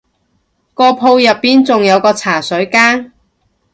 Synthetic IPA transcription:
kɔː˧pʰo˧wjɐ˨pːiː˨nt͡sʊ˨ŋjɐ˨˧wkɔː˧t͡sʰaː˨˩sɵ˨˥ɥkaː˥n

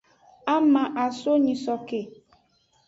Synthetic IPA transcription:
a˦mã˨ʔa˨so˦ɲĩ˨sɔ˨ke˨

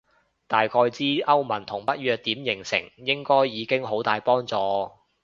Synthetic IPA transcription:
t̪aː˨jkʰɔː˧jt͡siː˥ʔɐ˥wmɐ˨˩nt̪ʰʊ˨˩ŋpɐ˥t̚ɥœː˧k̚t̪iː˨˥mjɪ˨˩ŋsɪ̰˨˩ŋjɪ˥ŋkɔː˥jːiː˨˧kɪ˥ŋɦo˨˥wt̪aː˨jpɔː˥ŋt͡sɔː˧

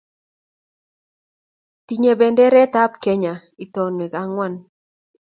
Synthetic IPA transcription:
ti˨ɲe˨bɛ˨ndɛ˦ɾɛ˦ta˦pkɛ˦ɲa˨ | i˨tɔ˨nwɛ˨ka˨˦ŋwa˦˨n

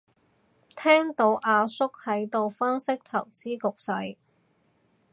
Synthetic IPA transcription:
t̪ʰɛː˥ŋt̪o˨˥wʔaː˧sʊ˥k̚hɐ˨˥jt̪o˨wfɐ˥nsɪ˥k̚t̪ʰɐ˨˩wt͡siː˥kʊ˨k̚sɐ˨˥j

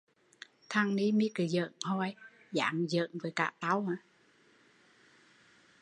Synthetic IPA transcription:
t̪ʰa˧ŋni˧˦mi˨˦kɨ˨˩zə̰˧˨nhɔ˧j | za̰ː˨ŋzə̰ː˧˨ŋvəː˨˦jka̰ː˧˩ʔt̪a˨˦wa˧˩

